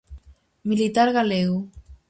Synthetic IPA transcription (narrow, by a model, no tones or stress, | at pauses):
milit̪aɾɣalew